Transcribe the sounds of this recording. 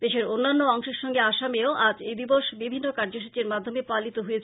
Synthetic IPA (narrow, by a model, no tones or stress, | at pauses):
d̪eʃeɾonːanːoɔŋʃeɾʃɔŋɡeaʃameoʔad͡ʑejd̪iboʃbibʱinːokaɾd͡ʑoʃ̬ut͡ɕeɾmad̪ʱːomepalit̪oɦojet͡ɕʰ